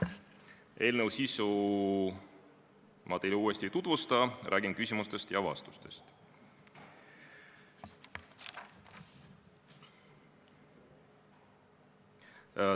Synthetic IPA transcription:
e̞ːlnəwsisu | mɑt̪ejluːest̪it̪ud̪vust̪ɑɾʔæːɡinkysʲimust̪e̞st̪jɑvɑ̰st̪u̥st̪e̞st̪

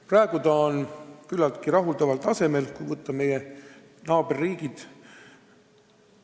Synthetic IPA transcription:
prɑe̞ɡ̥ut̪ɑonkylːɑlt̪kiɾɑɦuld̪ɑvɑlt̪ɑse̞me̞lkujvɤt̪ːɑme̞je | nɑːbe̞rːiːɡid̪̥

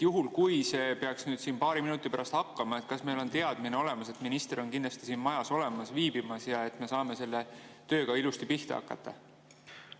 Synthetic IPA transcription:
juɦulkujse̞ːpeɑksnyːd̪̥siːnpɑːɾiminut̪ːˑipæɾɑst̪hɑkːɑmɑe̞t̪̚kɑsme̞jlo̞nt̪e̞ɑd̪̥mineo̞le̞mɑse̞t̪minist̪eɾo̞nkind̪lɑst̪isiːnmɑjɑso̞le̞mɑsviːbimɑsjɑe̞t̪me̞sɑːme̞se̞lːe̞t̪ø̞ːkɑilust̪ipiht̪ɑ̰hɑ̰kːˑɑ̰t̪ːˑɑ̰

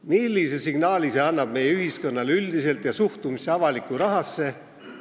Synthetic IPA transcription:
milːise̞siɡ̥nɑːlise̞ɑnːɑb̥̚me̞jeyɦisko̞nːɑleyld̪ise̞lt̪jɑsuht̪umiseɑvɑlikːˑuɾɑɦɑsːe̞

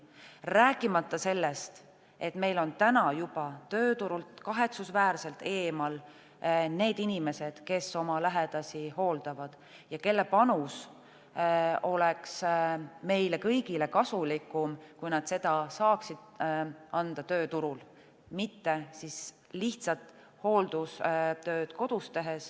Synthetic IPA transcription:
ræːkːˑimɑt̪ːˑɑse̞lːe̞st̪ | e̞t̪me̞jlo̞nt̪ænɑjub̥ɑt̪ø̞ːt̪uɾult̪kɑɦe̞t̪susvæːrse̞lt̪ːe̞ːmɑl | ne̞ːd̪inime̞se̞d̪̥ke̞so̞mɑlæɦed̪̥ɑsiho̞ːld̪̥ɑvɑd̪̥ | jɑke̞lːe̞pɑnus | o̞le̞ksme̞jle̞kɤjɡile̞kɑsulikːˑumkujnɑd̪̥se̞d̪̥ɑsɑːksid̪̥ɑnd̪̥ɑt̪ø̞ːt̪uɾul | mit̪ːe̞sis | liht̪sɑt̪ | ho̞ːld̪̥ust̪ø̞ːd̪̥ko̞d̪̥ust̪e̞ɦe̞s

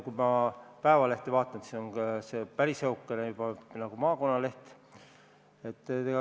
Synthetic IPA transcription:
kujmɑpæevɑleht̪evɑːt̪ːˑɑnt̪sisonɑsepæɾisheukːˑenejub̥ɑnɑɡ̥umɑːko̞nːɑle̞ht̪ | e̞t̪ːt̪eɡɑ

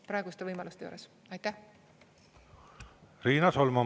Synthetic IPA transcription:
pɾɑːˑeɡust̪e̞vɤjmɑlust̪e̞jṵːɾes | ɑjt̪ːæh | riːnɑsolmɑ

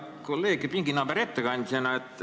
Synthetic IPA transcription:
kolːeːɡepiŋɡ̥inɑbeɾet̪ːeɡɑɑnʲd̪ʲsɑnɑet̪ː

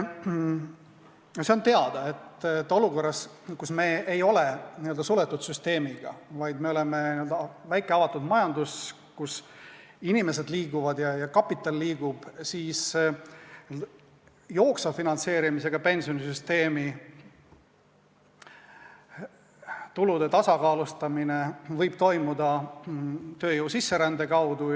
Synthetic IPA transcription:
ose̞ont̪eɑd̪̥ɑet̪ːt̪ːo̞luko̞rːɑs | kusme̞ːʔejo̞leniø̞ld̪ɑsulet̪ːˑut̪syst̪e̞ːmiɡ̥ɑ̰vɑjd̪me̞ole̞meniø̞ld̪ɑvæjkeɑvɑt̪ːˑud̪mɑjɑnd̪us | kus | inime̞s̬e̞d̪liːɡ̥uvɑd̪jɑjɑkɑpːˑit̪ːˑɑlːiːɡ̥ub̥siːs | nød̪ | jo̞ːksɑfinɑnse̞ːɾimis̬e̞ɡ̥ɑpe̞nʲsionisyst̪e̞ːmi | t̪ulud̪e̞t̪ɑsɑkɑːlust̪ɑmine̞vɤjb̥̚t̪o̞jmud̪ɑ | t̪øːjuwsisːe̞ɾænd̪e̞kɑwd̪u

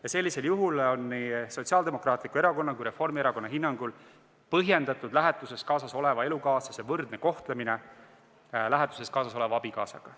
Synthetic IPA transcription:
jɑse̞lːise̞ljuɦulo̞nːiso̞t̪siɑːld̪e̞mo̞krɑːt̪ˑlikueɾɑko̞nːɑkujɾe̞fo̞rmieɾɑko̞nːɑɦinːɑŋɡ̥ul | pɤɦje̞nd̪̥ɑt̪ːˑud̪̥læɦɛt̪ːˑuse̞skɑːsɑso̞le̞vɑe̞lukɑːsɑsevɤrd̪̥ne̞ko̞ht̪le̞mine | læɦet̪ˑu̥se̞skɑːsɑs̬o̞le̞vɑɑbikɑːsɑ̰ɡ̥ɑ

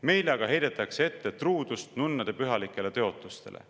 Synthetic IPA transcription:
me̞jleɑɡɑɦe̞jd̪̥et̪ːˑɑksee̞t̪ːe̞t̪ruːd̪̥ust̪nunːɑd̪̥e̞pyɦɑlikːˑe̞le̞t̪eo̞t̪ːˑust̪e̞̰lʔḛ

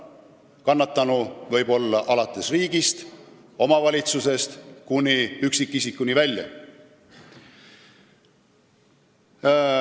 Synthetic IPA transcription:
kɑnːɑt̪ˑːɑnuvɤ̞jbo̞lːɑʔɑlɑt̪ːˑe̞sriːɡ̥ist̪ | o̞mɑvɑlʲit̪suse̞st̪kunʲiyksikˑːisikːˑunʲivælʲjɑ̰

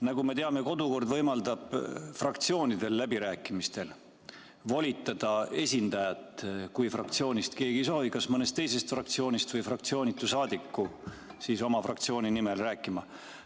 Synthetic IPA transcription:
nɑɡume̞t̪e̞ɑme̞ko̞d̪uko̞rd̪vɤ̞jmɑld̪ɑb̥frɑk̚t̪sio̞ːnid̪̥e̞lːæbiɾæːkːˑimist̪e̞l | volʲit̪ːˑɑd̪̥ɑe̞sʲind̪ɑjɑt̪kujfrɑkt̪sio̞ːnist̪ke̞ːɡiso̞ːvikɑsmɤne̞st̪ːe̞jse̞st̪frɑkt̪sio̞ːnist̪vɤjfrɑk̚t̪sio̞ːnʲit̪ːˑusɑːd̪̥ikːu | siːso̞mɑfrɑkt̪sio̞ːninimelræːkːˑimɑ

